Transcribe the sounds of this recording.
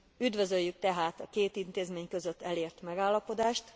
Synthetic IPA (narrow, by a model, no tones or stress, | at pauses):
yd̪vø̞zøjːyk̚t̪ɛɦaːt̪ɒkeːt̪int̪eːzmeːɲkø̞zøt̪ːɛleːrt̪mɛɡaːlːɒpo̞d̪aːʃt̪